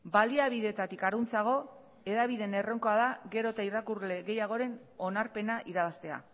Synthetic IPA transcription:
baliaβiðe̞t̪at̪ikaɾunt͡saɣ̞o̞ | e̞ðaβ̞iðe̞ne̞ro̞ŋko̞aðaɣe̞ɾo̞t̪airakurle̞ɣe̞jaɣ̞o̞ɾe̞no̞naɾpe̞naʔiɾaβast̪e̞a̰

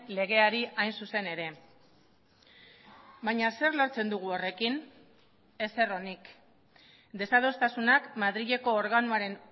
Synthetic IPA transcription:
le̞ɣ̞e̞aɾiajnsuse̞ne̞ɾe̞ | baɲase̞ɾlo̞ɾt͡se̞nd̪uɣ̞uo̞re̞kin | e̞se̞ro̞nik | d̪e̞sað̞o̞st̪asunakmaðɾiʎe̞ko̞ːɾɣanuaɾe̞n

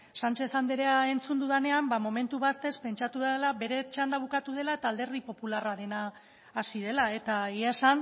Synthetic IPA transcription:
sant͡ʃe̞θand̪eɾeae̞nt͡sund̪uðene̞ambamo̞me̞nt̪uβast̪e̞spe̞nt͡ʃat̪uβelabe̞ɾe̞t͡ʃand̪aβ̞ukat̪uð̞e̞lae̞t̪aːld̪e̞ɾrðipo̞pularaɾe̞naː | siðe̞lae̞t̪aiaesan

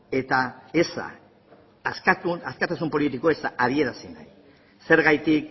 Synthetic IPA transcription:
e̞t̪ae̞sa̰ː | skat̪uaskat̪asumpo̞lit̪ikoe̞saʔaɾie̞ɾasina̰j | se̞ɾɣajt̪ik

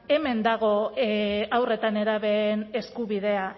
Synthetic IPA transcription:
e̞me̞nd̪aɣ̞o̞ | awre̞t̪ane̞ɾaβe̞ne̞skuβið̞e̞a

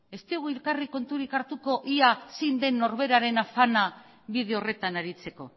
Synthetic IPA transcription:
e̞st̪ioɣuilkariko̞nt̪uɾikaɾt̪uko̞ʔiasind̪e̞nːo̞ɾβe̞ɾaɾe̞nafana | βið̞eo̞re̞t̪anaɾit͡se̞ko̞̰

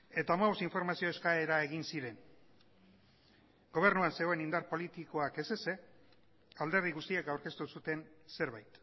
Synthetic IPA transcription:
e̞t̪amaβosiɱfo̞ɾmasio̞e̞skae̞ɾae̞ɣ̞insiɾe̞n | ɡo̞β̞e̞ɾnuanse̞ɣo̞e̞nind̪aɾpo̞lit̪iko̞ake̞se̞se̞ | ald̪e̞ɾð̞iɣust̪iakawɾke̞st̪usut̪e̞nse̞ɾβajt̪

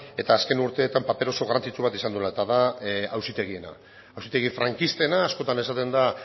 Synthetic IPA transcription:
e̞t̪aːske̞nuɾt̪e̞ːt̪ampape̞ɾo̞so̞ɣaɾant͡sit͡ʃuβ̞at̪isand̪ulaet̪aðaawsit̪e̞ɣie̞na̰ː | wsit̪e̞ɣ̞ifɾaŋkist̪e̞naːsko̞t̪ane̞sat̪e̞nd̪a

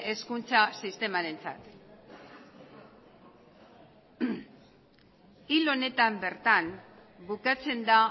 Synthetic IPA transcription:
eskunt͡sasist̪e̞maɾe̞nt͡sa̰t̪ | ilo̞ne̞t̪ambe̞ɾt̪anbukat͡se̞nd̪a

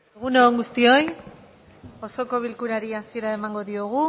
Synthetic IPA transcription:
eɣuneoŋɡust̪io̞j | o̞so̞ko̞β̞ilkuɾaɾiasie̞ɾaemaŋɡo̞ðioɣ̞u

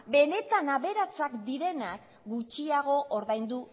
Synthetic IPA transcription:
be̞ne̞t̪anaβe̞ɾat͡sakd̪iɾe̞nak | ɡut͡ʃiaɣ̞o̞ʔoɾðajnd̪u

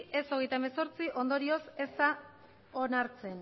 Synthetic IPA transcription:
ʔe̞so̞ɣ̞e̞jt̪aemeso̞ɾt͡siʔo̞nd̪o̞ɾio̞se̞st̪a | onaɾt͡se̞n

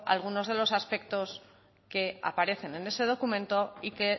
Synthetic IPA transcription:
a̰lɣ̞uno̞zðe̞lo̞saspe̞kt̪o̞s | ke̞a̰paɾe̞θe̞ne̞ne̞se̞ð̞o̞kumẽ̞nt̪o̞ike̞

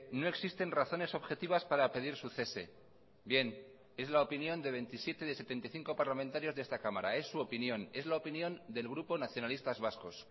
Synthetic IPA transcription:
no̞e̞ksist̪e̞nraθo̞ne̞so̞βxe̞t̪iβaspaɾape̞ð̞iɾsuθe̞se̞̰ | bje̞n | e̞zlaopinjõ̞nd̪e̞βe̞nt̪isje̞t̪eðese̞t̪e̞nt̪ajθiŋko̞paɾlamẽnt̪aɾjo̞zðest̪akamaɾa̰e̞sːuopinjõ̞ne̞zlaopinjo̞nd̪e̞lɣɾupo̞naθjo̞nalist̪azβasko̞s

